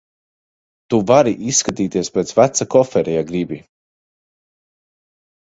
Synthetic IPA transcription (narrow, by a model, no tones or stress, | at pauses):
t̪uvaɾiʔisːkat̪iːt̪iɛspʲet̪svæt̪sakɔfɛɾɛjaɡɾibi